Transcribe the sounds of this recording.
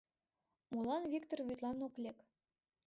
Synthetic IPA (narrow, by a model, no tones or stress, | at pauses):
molɑnvʲikt̪orvyt̪lˠɑnoklʲek